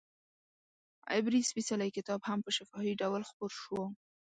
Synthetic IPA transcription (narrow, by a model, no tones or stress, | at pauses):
a̰bɾispisalajkɪt̪ɑbhampəʃɪfɑfiɖawlxpoɾʃwo